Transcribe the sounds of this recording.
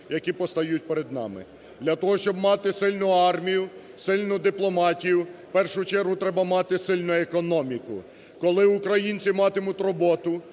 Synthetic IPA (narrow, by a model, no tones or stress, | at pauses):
jɐkʲipɔst̪ɐjut̚ʲpeɾed̪nɑ̰mɪ̰ | d̪lʲɐt̪ɔɦɔʃt͡ʃɔbmɑt̪ɪsɪlʲnʊɑrmʲijʊ | sɪlʲnʊd̪ɪplˠɔmɑtʲijʊpɛrʃʊt͡ʃɛɾɦʊt̪ɾɛbɐmɑt̪ɪsɪlʲnʊekɔnɔmʲikʊ̰ | kɔlˠɪʊkɾɐjinʲt͡sʲimɑt̪ɪmʊtʲrɔbɔt̪ʊ